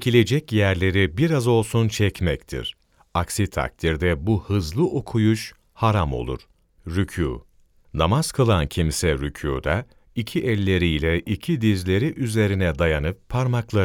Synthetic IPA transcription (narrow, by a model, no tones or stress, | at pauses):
cʰilʲe̞d͡ʒɛcjæɾlʲe̞ɾibiɾazo̞lˠsunt͡ʃʰɛcmɛct̪ʰḭɾ̥ | aksit̪ʰa̰k̚t̪ʰiɾd̪ɛbuhɯzlˠɯʔo̞kʰujuʃ | haɾamo̞̰lˠṵɾ̥ | ɾycʰṵː | namaz̥kʰɯlˠancʰimsɛɾycʰṵːd̪a | icʰiʔɛlʲːe̞ɾijlʲɛʔicʰid̪izlʲe̞ɾiʔyze̞ɾinɛd̪ajanɯp̚ːʰaɾmaklˠaɾ